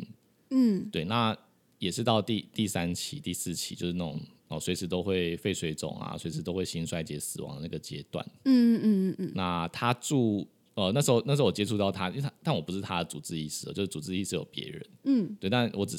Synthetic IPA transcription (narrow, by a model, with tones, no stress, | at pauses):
t̪we˥˩ɪna˥˩ | jɛ˨˩ʂɻ̩˥˧t̪ɑ˥˧ʊt̪i˥˧t̪i˥˩sa˦nt͡ɕʰi˧˥t̪i˥˧sɹ̩˥˩t͡ɕʰi̥˧˥t͡ɕjo˥˧ʊʂɻ̩˥na˥˩ʊ̰˨˩ŋ | ə˨˩swe˧ɪʂɻ̩˧˥t̪o˥ʊxwe˥˩ɪfe˥˧ɪʂwe˥˧ɪʈ͡ʂʊ̰˨˩ŋa̰˨˩swe˧˥ɪʂɻ̩˧˥t̪o˥ʊxwe˥˩ɪɕi˥nswa˥˧ɪt͡ɕjɛ˧˥sɹ̩˨˩wɑ̰˧˦ŋd̪ə˨˦na˥˩ɡə˩t͡ɕjɛ˥t̪wa̰˥˩n̩˥˩˥na˥˩t̪ʰa˥ʈ͡ʂu˥˧ | ə˨na˥˩ʂ̩˧˥xo˥˧ʊn̩˥˩˧ʊwt͡ɕɛ˧˥ʈ͡ʂʰu˥˧t̪ɑ˥˨˩ʊt̪ʰa˦˥i˥˧a˥t̪a˥˩nwɔ˨˩pu˧˥ʂɻ̩˥˩t̪ʰa˥d̪ə˨t͡su˨˩t͡sɹ̩˥˧i˥˩ʂ̩˥˩˨t͡ɕjo˥˧ʂɻ̩˥˩t͡su˨˩t͡sɹ̩˥˧i˥˧ʂɻ̩˥˩jo̰˨˩ʊpjɛ̰˧˦˥ɻə̰˧˦n̩˥˩t̪we˥˩ɪt̪a˥˩nwɔ˧˥ʈ͡ʂɻ̩˨˩